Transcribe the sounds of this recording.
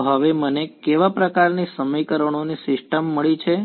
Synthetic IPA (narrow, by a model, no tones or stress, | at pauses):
ɦəʋemənekeʋapɾəkaɾnisəmikəɾəɳ̃onisɪsʈəmːəɭit͡ʃʰe